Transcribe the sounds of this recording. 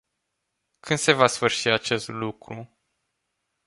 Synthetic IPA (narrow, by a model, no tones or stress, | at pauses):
kʰɨnd̪̥se̞vasfɨrʃiat͡ʃe̞st̪lukɾu